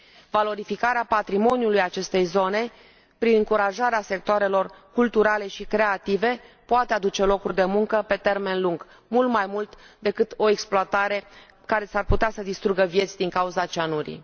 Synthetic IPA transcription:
valo̞ɾifikaɾeapat̪ɾimo̞njulujat͡ʃe̞st̪e̞jzo̞ne̞ | pɾinɨŋkuɾaʒaɾease̞k̚t̪oaɾe̞lo̞rkult̪uɾale̞ʃikɾe̞at̪ive̞poat̪ead̪ut͡ʃe̞lo̞kurʲd̪e̞muŋkəpe̞t̪e̞rme̞nluŋɡ | mult̪majmult̪d̪e̞kɨt̪o̞eksploat̪aɾe̞ | kaɾe̞sarput̪easəd̪ist̪ɾuɡəvje̞t̪sʲd̪iŋkauzat͡ʃanuɾḭ

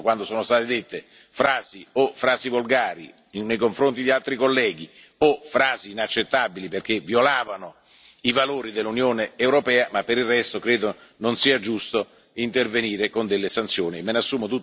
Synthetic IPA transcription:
kwand̪osoːnost̪aːt̪ed̪et̪ːe | fɾaːziofɾaːzivolɡaːɾḭ | nːejkoɱfɾont̪̬id̪ialt̪ɾikolːɛːɡi | ofɾaːziːnat͡ʃːet̪ːabiliperk̟evjolaːvano | ivaloːɾid̪elːunjoːneewɾopɛːamapːeɾilrːɛst̪okɾeːd̪ononsiːad͡ʒust̪o | int̪erveniːɾekond̪elːesant̪sjoːniemːenasːuːmot̪ut̪

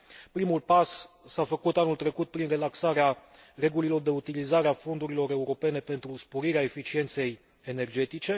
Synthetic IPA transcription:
pɾimulpas | safəkut̪anult̪ɾe̞kut̪̚pɾinre̞laksaɾeare̞ɡulilo̞rd̪e̞ut̪ilizaɾeafo̞nd̪uɾilo̞ɾe̞uɾo̞pe̞ne̞pe̞nt̪ɾuspo̞ɾiɾeae̞fit͡ʃie̞nt̪se̞j | ene̞rd͡ʒe̞t̪it͡ʃe̞

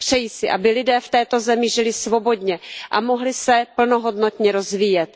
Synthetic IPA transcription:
pr̝̥ɛjisɪʔa̰bɪlɪdɛːft̪ɛːt̪o̞zɛmɪʒɪlɪsvo̞bo̞dɲɛʔa̰mo̞ɦlɪsɛpl̩no̞ɦo̞dno̞t̪ɲɛɾo̞zviːjɛt̪

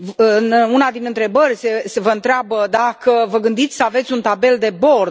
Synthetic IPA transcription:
ɨɨnunad̪inɨnt̪ɾe̞bərʲsesevəɨnt̪ɾeabəd̪akəvəɡɨnd̪it̪sʲsəave̞t̪sʲunt̪abe̞ld̪e̞bo̞r

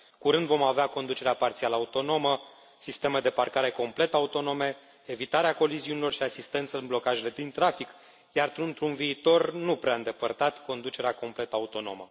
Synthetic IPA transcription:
kuɾɨnd̪vo̞maveako̞nd̪ut͡ʃe̞ɾeapart̪sialaut̪o̞no̞mə | sist̪e̞me̞d̪e̞parkaɾe̞ko̞mple̞t̪aut̪o̞no̞me̞ | evit̪aɾeako̞liziunilo̞rʃiasist̪e̞nt̪səɨnblo̞kaʒe̞le̞d̪int̪ɾafik | jart̪ɾunt̪ɾunviːt̪o̞rnupɾeaɨnd̪e̞pərt̪at̪ko̞nd̪ut͡ʃe̞ɾeako̞mple̞t̪aut̪o̞no̞̰mə̰

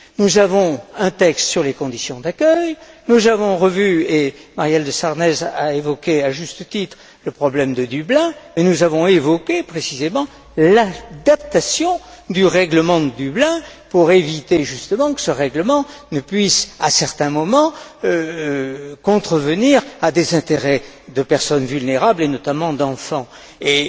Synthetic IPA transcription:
nuzavɔ̃ɛ̃t̪ɛkst̪syʁlekɔ̃d̪isjɔ̃d̪akʲœjnuzavɔ̃ʁəvyemaʁjɛld̪əsaʁnɛzaevɔkʲeaʒyst̪ət̪it̪χ | ləpχɔblɛmd̪əd̪yblɛ̃mɛnuzavɔ̃evɔkʲepχesizemɑ̃ | lad̪ap̚t̪asjɔ̃d̪yʁɛɡləmɑ̃d̪əd̪yblɛ̃puʁevit̪eʒyst̪əmɑ̃kə̥səʁɛɡləmɑ̃nəpɥisasɛʁt̪ɛ̃mɔmɑ̃ø | kɔ̃t̪χəvəniʁad̪ezɛ̃t̪eʁɛd̪əpɛʁsɔnvylneʁablenɔt̪amɑ̃d̪ɑ̃fɑ̃ | e

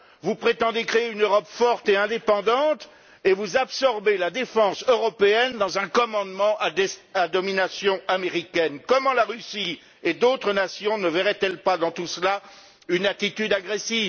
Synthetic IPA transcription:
vupχet̪ɑ̃d̪ekχeeynøʁɔpfɔʁt̪eɛ̃d̪epɑ̃d̪ɑ̃t̪ | evuzabsɔʁbelad̪efɑ̃søʁɔpeɛnd̪ɑ̃zɛ̃kɔmɑ̃d̪mɑ̃ʔaad̪ɔminasjɔ̃ameʁikʲɛnkɔmɑ̃laʁysi | ed̪ot̪χənasjɔ̃nəvɛʁɛt̪ɛlpad̪ɑ̃t̪usla | ynat̪it̪yd̪aɡʁesiv

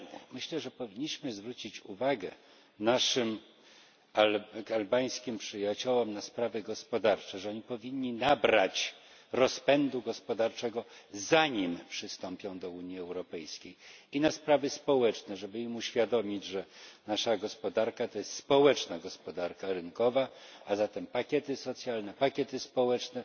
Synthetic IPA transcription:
mɘɕlɛʐɛpɔvʲiɲːiɕmɘzvɾut͡ɕit͡ɕuvaɡɛ | naʂɘm | aalbaj̃skʲimpʂɘjat͡ɕɔwɔmnaspɾavɘɡɔspɔd̪aɾt͡ʂɛʐɛɔɲipɔvʲiɲːinabɾat͡ɕ | ɾɔspɛnd̪uɡɔspɔd̪aɾt͡ʂɛɡɔzaɲimpʂɘst̪ɔmpʲjɔ̃w̃d̪ɔuɲjiɛwɾɔpɛjskʲejinaspɾavɘspɔwɛt͡ʂnɛʐɛbɘimuɕfʲjad̪ɔmʲid͡ʑʐɛnaʂaɡɔspɔd̪aɾkat̪ɔjɛst̪spɔwɛt͡ʂnaɡɔspɔd̪aɾkaɾɘŋkɔvaazat̪ɛmpakʲɛt̪ɘsɔt̪sʲjalnɛpakʲɛt̪ɘspɔwɛt͡ʂnɛ

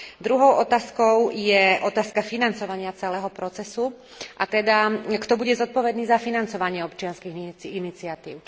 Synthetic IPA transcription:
d̪ɾuɦɔʊʔɔt̪aːskɔʊjɛʔɔt̪aːskafinant͡sɔʋaɲɪat͡sɛlɛːɦɔpɾɔt͡sɛsu | ʔat̪ɛd̪akt̪ɔbuɟɛzɔt̪̚pɔʋɛd̪niːzafinant͡sɔʋaɲɪɛɔpt͡ʃɪanskiːinit͡sɪat̪ḭːʊ

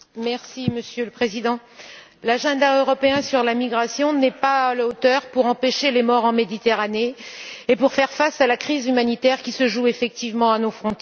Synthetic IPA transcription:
mɛʁsiməsjøləpχezid̪ɑ̃ | laʒɑ̃d̪aøʁɔpeɛ̃syʁlamiɡʁasjɔ̃nɛpalaot̪œʁpuʁɑ̃peʃelemɔʁɑ̃med̪it̪eʁaneːpuʁfɛʁfasalakχizymanit̪ɛʁkʲisəʒuefɛk̚t̪ivmɑ̃anofχɔ̃t̪

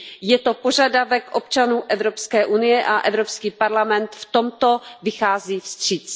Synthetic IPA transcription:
jɛt̪o̞po̞ʒadavɛkʔo̞p̚t͡ʃanuːʔɛvɾo̞pskɛːʔunɪjɛʔaʔɛvɾo̞pskiːpaɾlamɛnt̪ft̪o̞mt̪o̞vɪxaːziːfst̪r̥iːt͡s

